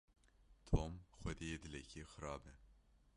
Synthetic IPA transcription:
t̪ʰoːmxʷɛd̪ejeːd̪ɨlɛkʰixɨɾɑːbɛ

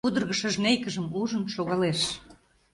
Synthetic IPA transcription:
ud̪ərɣəʃəʒnejkəʒəmuʒənʃoɣɑleʃ

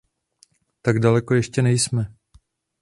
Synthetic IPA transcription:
t̪aɡdalɛko̞jɛʃcɛnɛjsmɛ

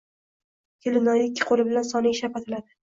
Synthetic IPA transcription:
kʲʰɪlɪnɒjɪkʲʰːɪ̥qʰolɪbɪlansɒnɪʃapat̪ʰɪlad̪ɪ

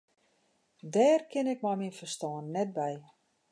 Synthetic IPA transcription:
dɛːrkʰɪnɪk̚mɔjminfərstɔːnːɛt̚bɛj

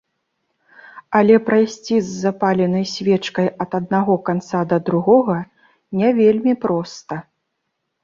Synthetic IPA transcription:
ɐlʲɛpɾajsʲt͡sʲizːapalʲɛnɐjsʲvʲɛt͡ʂkɐjɐt̪ɐd̪̚naɣɔkant̪sad̪ɐd̪ɾuɣɔɣɐ | nʲɛvʲelʲmʲipɾɔst̪ɐ

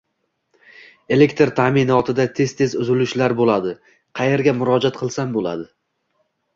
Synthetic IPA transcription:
e̞le̞kʲt̪ɾt̪ʰamɪnɒt̪ʰɪd̪at̪ʰe̞zt̪ʰezʊzɪlʊʃlaɾbolad̪ɪ | qʰɑje̞ɾɡʲamʊɾɒd͡ʒat̪̚qʰɨlˠsambola̰d̪ɪ

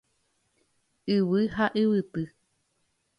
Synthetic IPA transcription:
ɨwɨhaʔɨwɨt̪ɨ

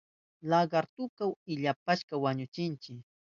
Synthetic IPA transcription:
laɢaɾt̪ʊkawɪʎapaʃkawaɲʊt͡ʃɪnt͡ʃɪk

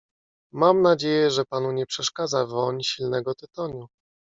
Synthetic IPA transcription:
mamnad͡ʑejɛʐɛpan̪uɲɛpʂɛʂkad̪zavɔɲɕilnɛɡɔt̪ɘt̪ɔɲu

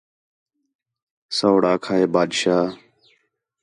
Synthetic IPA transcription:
səːɽaːkʰaːeːbaːd̪ʃaː

